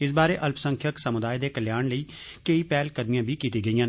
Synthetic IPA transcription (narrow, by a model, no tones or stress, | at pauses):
ɪs̬baːɾeːʔɐlpsəŋkʰjəksəmʊd̪aːjed̪eːkəljaːɳləiːkəipɛːlkəd̪mijãːbʱiːkiːt̪iːɡəijãːn